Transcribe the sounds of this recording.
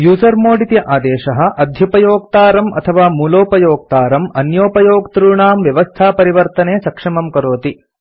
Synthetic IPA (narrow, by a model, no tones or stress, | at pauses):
juːzɐɾmoːɽit̪jɐʔaːd̪ɛːʃɐɦɐ̆ʔɐd̪ʱjɐpɐjoːk̚t̪aːɾɐmɐ̰t̪ʰɐʋaːmuːloːpɐjoːk̚t̪aːɾɐmɐnjoːpɐjoːɡt̪ɾuːɳaːmʋjɐʋɐst̪ʰaːpɐɾiʋɐɾt̪ɐneːsɐkʂɐmɐmkɐɾoːt̪i